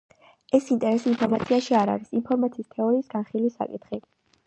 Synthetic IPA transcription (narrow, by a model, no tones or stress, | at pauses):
ɛsint̪ʼɛɾɛsinpʰɔɾmat̪sʰiaʃiaɾa̰ɾisinpʰɔɾmat̪sʰiːst̪ʰɛɔɾiːsɡ̥anχilisa̰kʼit̪ʰχi